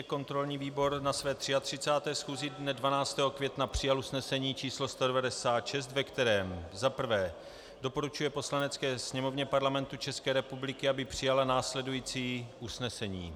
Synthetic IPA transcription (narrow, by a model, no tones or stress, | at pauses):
ɛko̞nt̪ɾo̞lɲiːviːbo̞ɾnasvɛːt̪r̥ɪat̪r̝̥ɪt͡saːt̪ɛːsxuːzɪdnɛdvanaːt͡st̪ɛːɦo̞kvjɛt̪napr̝̥ɪjalusnɛsɛɲiːt͡ʃiːslo̞st̪odɛvadɛsaːt̪ʃɛst̪vɛkt̪ɛɾɛːmzapr̩vɛː | do̞po̞ɾut͡ʃujɛpo̞slanɛt͡skɛːsɲɛmovɲɛpaɾlamɛnt̪ut͡ʃɛskɛːɾɛpublɪkɪabɪpr̝̥ɪjalanaːslɛdujiːt͡siːʔusnɛsɛɲḭː